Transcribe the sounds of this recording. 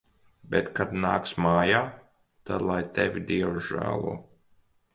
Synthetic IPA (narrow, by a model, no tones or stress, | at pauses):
bʲɛt̪kad̪na̰ːksmaːjaː | t̪ad̪lˠajt̪ɛvʲid̪iɛwʒæ̰ːlˠṵː